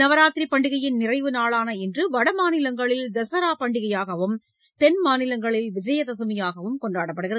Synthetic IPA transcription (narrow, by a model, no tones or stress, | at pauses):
nɐʋɐɾaːt̪ɾipːɐɳɖɪɣɐjɪnnɪrɐɪʋɯnaːɭaːnɐɛndrɯʋɐɽɐmaːnɪlɐŋɡɐɭɪld̪ɐsɐɾaːpɐɳɖɪɣɐjaːɣɐʋɯm | t̪ɛnmaːnɪlɐŋɡɐɭɪlʋɪd͡ʒɐjɐðɐsɯmɐjaːɣɐʋɯmkɔɳɖraːɽɐpːɐɽɯɣɪɾɐ